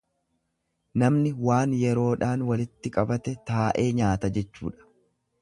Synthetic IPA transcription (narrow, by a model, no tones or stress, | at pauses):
nɐmnɪwaːnjɛɾo̞ːᶑaːnwɐlɪt̪ːɪkʼɐbɐt̪ɛt̪aːʔe̞ːɲaːt̪ɐd͡ʒɛt͡ʃːṵːᶑɐ̥